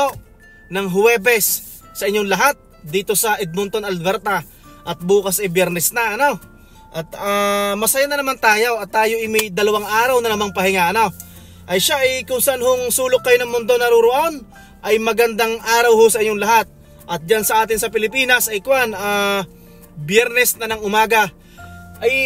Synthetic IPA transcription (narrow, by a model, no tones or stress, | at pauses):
o | nɐŋɦʊɛːbɛsː | ɐʔɪɲːoŋlɐɦat̪̚ | d̪iːt̪o̞sɐʔɛɡ̪̚mʊnt̪onɐlbɛɾt̪ɐ | ʔɐt̪̚buːkɐsʔɪjbjɛɾnɛsnɐʔɐno̞ | ʔɐt̪amɐsɐjanɐnɐmant̪aːjoɐt̪ːaːjoʔɪmɐjd̪ɐlɐwaŋʔaːɾɐwnɐnɐmaŋpɐɦɪŋaʔɐno | ʔɐjʃaʔɐjkʊŋsɐʔanhoŋsuːlʊk̚kːɐjoɐŋmʊnd̪o̞nɐɾuɾʊʔon | ʔɐjmɐɡɐnd̪aŋʔaːɾɐwhosɐʔɪɲːoŋlɐɦat̪̚ | ʔɐt̪̚d͡ʒansɐʔaːt̪ɪnsɐpɪlɪpiːnɐsʔɐjkwana | bjɛɾnɛsnɐnɐŋʊmaːɡɐ | ʔɐj